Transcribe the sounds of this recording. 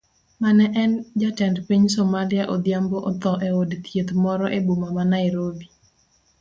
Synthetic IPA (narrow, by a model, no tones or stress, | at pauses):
manɛʔɛnd͡ʒatɛndpiɲsɔmaliaʔod̪ɪjamboʔɔt̪ɔʔeodt̪jet̪mɔɾɔʔebumamanaiɾobi